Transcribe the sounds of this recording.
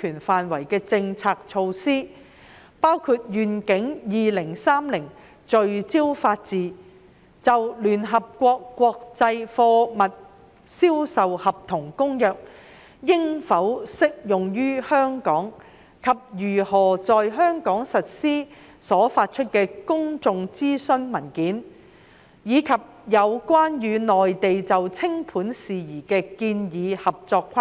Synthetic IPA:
kʰyː˨˩nfaː˨nwɐ˨˩jkɛː˧t͡sɪ˧ŋt͡sʰaː˧k̚t͡ʃʰo˧wsiː˥ | paː˥wkʰu˧t̚jyː˨˩nkɪ˨˥ŋjiː˨lɪ˨˩ŋsaː˥mlɪ˨˩ŋ | t͡ʃɵ˨ɥt͡siː˥wfaː˧t̚t͡siː˨˩ | t͡sɐ˨wlyː˨˩nɦɐ˨p̚kʷɔː˧kːʷɔː˧k̚t͡sɐ˧jfɔː˧mɐ˨t̚ | siː˥wsɐ˨whɐ˨p̚t̪ʰʊ˨˩ŋkʊ˥ŋjœː˨k̚ | jɪ˥ŋfɐ˨˥wsɪ˥k̚jʊ˨ŋjyː˥hœː˥ŋkɔː˨˥ŋ | kʰɐ˨p̚jyː˨˩hɔː˨˩t͡sɔː˨jɦœː˥ŋkɔː˨˥ŋsɐ˨t̚siː˥ | sɔː˨˥faː˧t̚t͡ʃʰɵ˥t̚kɛː˧kʊ˥ŋt͡sʊ˨ŋt͡siː˥sɵ˥nmɐ˨˩nkiː˨˥n | jiː˨˧kʰɐ˨p̚jɐ˨˧wkʷaː˥njyː˨˧nɔː˨jt̪e˨jt͡sɐ˨wt͡sʰɪ˥ŋpʰuː˨˥nsiː˨jiː˨˩kɛː˧kiː˧njiː˨˧hɐ˨p̚t͡sɔː˧kʰwaː˥

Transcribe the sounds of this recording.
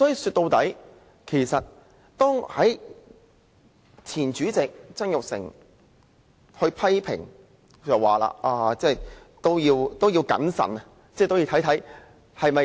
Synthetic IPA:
sɔ˨˥jiː˧syː˧t̚t̪o˧wt̪ɐ˨˥j | kʰe˨˩jsɐ˨t̚ | t̪ɔː˥ŋhɐ˨˥j | t̪ʰiː˨˩nt͡ʃyː˨˥t͡sɪ˨k̚t͡sɐ˥njʊ˨k̚sɪ̰˨˩ŋ | hɵ˧ɥpʰɐ˥jpʰɪ̰˨˩ŋ | t͡sɐ˨waː˨la̰ː˧ʔaː˧t͡sɛː˥˩t̪o˥wjiː˧wt̪o˥wji˧wkɐ̰˨˥nsɐ̰˨˩n | t͡sɛː˥˩t̪o˥wji˧˩t̪ʰjt̪ʰɐ˨˥j | hɐ˨jmɐ˨

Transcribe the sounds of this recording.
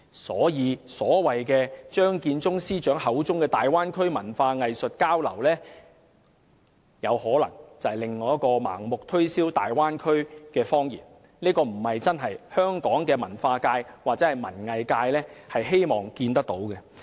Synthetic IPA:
sɔ̰ː˨˥jiː˨˧sɔː˨˥wɐ˨jkɛː˧t͡ʃœː˥ŋkiː˧nt͡sʊ˥ŋsiː˥t͡ʃœː˨˥ŋhɐ˨˥wt͡sʊ˥ŋkɛː˧t̪aː˨˩jwaː˥nkʰɵ˥ɥmɐ˨˩nfaː˧ŋɐ˨jsɵ˨t̚kaː˥wlɐ˨˩wlɛː˥ | jɐ˨˧whɔː˨˥lɐ˨˩ŋt͡sɐ˨hɐ˨˩lɪ˨ŋːɔː˨˧jɐ˥tkɔː˧ma̰ː˨˩ŋmʊ˨k̚t̪ʰɵ˥ɥsiː˥wt̪a̰ː˨jwaː˥nkʰɵ˥ɥkɛː˧fɔː˥ŋjḭː˨˩n | neː˥kɔː˧m̩˨˩hɐ˨jt͡sɐ˥nɦɐ˨jhœː˥ŋkɔː˨˥ŋkɛː˧mɐ˨˩nfaː˧kaː˧jwaː˨k̚t͡sɛː˨˥hɐ˨jmɐ˨˩nŋɐ˨jkaː˧jlɛː˥hɐ˨jɦe˥jmɔː˨ŋkiː˧nt̪ɐ˥k̚t̪o˨˥wkɛ˧

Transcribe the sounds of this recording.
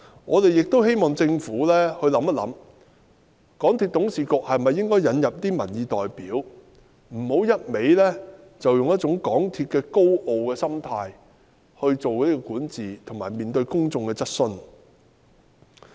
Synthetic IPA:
ŋɔː˨˧t̪e˨jɪ˨k̚t̪o˥whe˥jmɔː˨˩ŋt͡sɪ˧ŋfuː˨˥lɛː˥hɵ˧ɥlɐ˨˥mɐ˥t̚lɐ̰˨˧˥m | kɔː˨˥ŋt̪ʰiː˧t̚t̪ʊ˨˥ŋsiː˨˩kɔː˧k̚hɐ˨jmɐ˨jːɪ˥ŋkɔː˥jɐ˨˧njɐ˨p̚t̪iː˥mɐ̰˨˩njiː˨˧t̪ɔː˨jpiː˨˥w | m̩˨˩ho˨˥wjɐ˥t̚me˨˥jlɛː˥ | t͡sɐ˨wjʊ˨ŋjɐ˥t̚t͡sʊ˨˥ŋkɔː˨˥ŋt̪ʰiː˧t̚kɛː˧ko˥wʔo˨wkɛː˧sɐ˥mt̪ʰaː˧j | hɵ˧ɥt͡so˨wliː˥kɔː˧kuː˨˥nt͡siː˨t̪ʰʊ˨˩ŋmaː˨˩jmiː˨˩nt̪ɵ˧ɥkʊ˥ŋt͡sʊ˨˧ŋkɛː˧t͡sɐ˥t̚sɵ˧n

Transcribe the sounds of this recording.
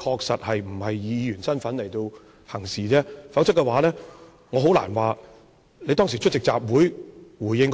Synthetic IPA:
kʰɔː˧k̚sɐ˨t̚hɐ˨jm̩˨˩hɐ˨jːiː˨˧jyː˨˩nsɐ˥nfɐ˨˥nle˨˩jt̪o˧w | hɐ˨˩ŋsiː˨˩t͡sɛː˥fa˨˥wt͡sʰɐ˥kːɛ˧waː˨˥lɛː˥ | ŋɔː˨˧ɦo˨˥wla̰ː˨˩nwaː˨ | le˨˧t̪ɔː˥ŋsiː˨˩t͡ʃʰɵ˥t̚t͡sɪ˨k̚t͡sa̰ː˨p̚wuː˨˥jwuː˨˩jɪ˧ŋk

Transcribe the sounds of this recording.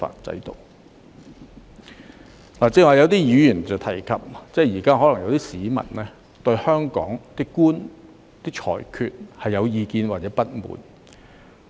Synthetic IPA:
fa̰ː˧t͡sɐ̰˨˥jt̪o̰˨w | laː˨˩t͡siː˧˥waː˨˩jɐ˨˧wt̪̬iː˥jyː˨˧˥jyː˨˩nt͡sɐ˨wt̪ʰɐ˨˩jkʰɐ˨p̚t͡sɛː˥jiː˨˩kaː˥hɔ˨˥lɐ˨˩ŋjɐ˨˧wt̪iː˥siː˨˥mɐ̰˨˩nnɛː˥ | t̪ɵ˧ɥhœː˥ŋkɔ̰ː˨˥ŋt̪ɪ˥kkːuː˥n | t̪iː˥k̚t͡ʃʰɔ̰ː˨˩jkʰyː˨˧t̚hɐ˨jːɐ˨˧wjiː˨˧kiː˧nwaː˨t̚t͡sɛː˨˧˥pɐ˥t̚mṵː˨˥n

